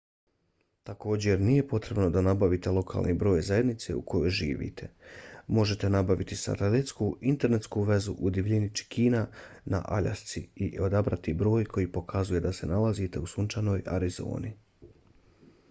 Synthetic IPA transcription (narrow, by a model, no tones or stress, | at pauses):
t̪ako̞ːd͡ʑe̞ɾnije̞po̞t̪ɾe̞bno̞d̪anabaʋit̪elˠo̞kʰa̰ːlˠnʔibɾo̞ːjzaje̞d̪nit̪se̞̰ukʰo̞jo̞jʒḭːʋḭt̪ʰe̞mo̞ʒe̞t̪e̞nabaʋit̪isa̰t̪elet̪skuint̪e̞ɾne̞t̪skuʋe̞zuʔud̪iʋʎinit͡ʃi̥kʰiːnana̰ʔa̰ʎa̰st̪siiʔo̞d̪abɾat̪ibɾo̞ːjkʰo̞jiːpo̞kʰazuje̞d̪ase̞nalazit̪e̞usunt͡ʃano̞ːja̰ɾizo̞̰ːni